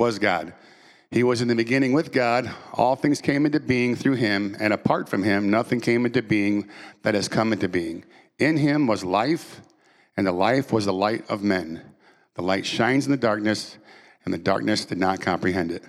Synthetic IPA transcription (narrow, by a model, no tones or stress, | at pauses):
wʌzɡɑ̰d̥̚ | iwʌzɨ̃nðɨbɨɡɪ̃ñɪ̃ŋwɨðɡɑɾʔɔ̰lˠθɪ̃ŋz̥kʰẽɪ̃mɪ̃ntʉbiɪ̃ŋθɹʉɪ̃mɨ̃ɾ̃ɨpʰɑɹtfɹʌ̃mɪ̃mnʌθɪ̃ŋkʰẽɪ̃mɪ̃ntɨbiɪ̃ŋðɨt̚hɨz̥kʰʌ̃mɪ̃ntɨbiɪ̃ŋ | ɪ̃nɪ̃mwʌzlaɪf | ɨ̃nðəlaɪfwʌzðəlaɪɾʌ̰vmɛ̃n | ðəlaɪtʃãɪ̃nzn̩ðɨdɑɹk̚nɨs | nðɨdɑ̰ɹk̚nɨsd̥ɨdⁿnət̚kʰɑ̃mpɹiɦɛ̃ndɨt̚